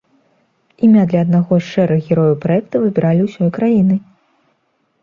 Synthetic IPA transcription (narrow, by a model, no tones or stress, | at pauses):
imʲad̪lʲɐɐd̪̚naɣɔst͡ʂɛɾɨɣɣʲɛɾɔjupɾajɛkt̪ɐvɨbʲiɾalʲiwsʲɔjkɾajinɨ